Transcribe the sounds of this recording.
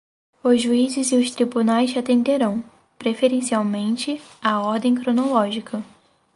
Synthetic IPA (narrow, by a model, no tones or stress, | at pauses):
ʊzʒuizɪzɪʊst̪ɾibunajzat̪ẽnd̪eɾɐ̃w̃ | pɾefeɾẽsiawmẽnt͡ʃɪ | aɔɾd̪ẽj̃kɾonolɔʒikʰɐ